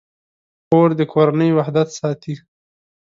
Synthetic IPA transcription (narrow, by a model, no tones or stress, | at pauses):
xoɾd̪əkʰoɾanəjwahd̪at̪sɑːt̪i